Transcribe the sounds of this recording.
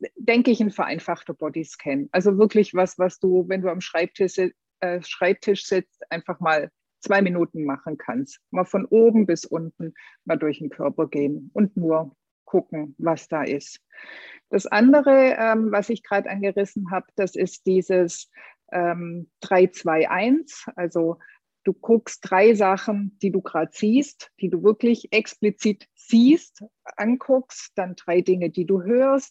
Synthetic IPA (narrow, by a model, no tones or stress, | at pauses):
d̥ɛŋkəɪçɪnfɛɐʔa̰ɪnfaχtɐb̥ɔdiskʰɛnʔalzovɪɐklɪçv̥asv̥asd̥uːvɛnduːamʃʁ̥aɪp̚tʰɪʃɪ | ʔɛːʃʁ̥aɪp̚tʰɪʃz̥ɪt͡stʔaɪnfaχmaːl | t͡sv̥aɪminuːtn̩maχn̩kʰanstmaːlfɔnʔoːbm̩bɪsʔʊntn̩maːldʊɐçn̩kʰœɐpɐɡeːənʊntnuːɐ | kʰʊkŋ̩vasd̥aːʔɪst | d̥asʔandəʁəʔɛːmvasɪçɡ̥ʁaːdtʔanɡəʁɪsn̩ɦaːbd̥asɪst̚d̥iːzəs | ʔɛːmd̥ʁaɪt͡sv̥aɪʔaɪnsʔalzo | d̥uːkʰʊkstd̥ʁaɪzaχn̩d̥iːduːɡʁaːtz̥iːstd̥iːduːvɪɐklɪçʔɛksplit͡siːt | z̥iːst | ʔankʰʊksd̥andʁaɪdɪŋədiːduːɦøːɐst̚